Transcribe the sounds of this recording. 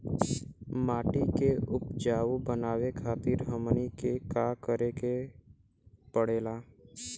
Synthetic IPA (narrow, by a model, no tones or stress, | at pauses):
maːʈikeʊp̚d͡ʒaːwubənaːwekʰaːt̪ɪɾɦəmnikekaːkəɾeke | pəɽeːlaː